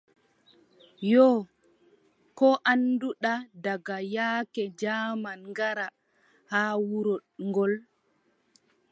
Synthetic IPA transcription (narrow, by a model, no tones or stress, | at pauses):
jɔ | kɔʔanduɗadaɡajaːkɛd͡ʒaːmanŋɡaɾa | haːwuɾɔɗŋɡɔl